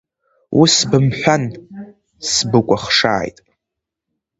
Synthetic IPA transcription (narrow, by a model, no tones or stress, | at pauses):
wʔisbɨmħʷᶣan | sbɨkʷʼaχʂa̰ːjtʼ